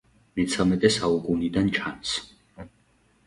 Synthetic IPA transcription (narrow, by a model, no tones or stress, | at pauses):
mɛt̪sʰamɛt̪ʼɛsaukʼunid̪ant͡ʃʰans